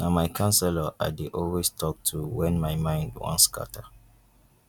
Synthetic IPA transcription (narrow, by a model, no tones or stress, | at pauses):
namaɪkʰãnsɛlaʔaɪdeʔɔlwestʰɔk̚tʰuwɛ̃nmaɪmãɪ̃ndwɔ̰̃nska̰tʰa